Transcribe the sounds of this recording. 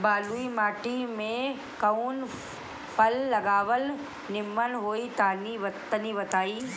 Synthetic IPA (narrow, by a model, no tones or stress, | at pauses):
baːluimaːʈimẽ | kɐuːn | fʰɐlːɐɡaːʋəl | nɪmənɦoːit̪aːniʋɐt̪əniʋɐt̪aːiː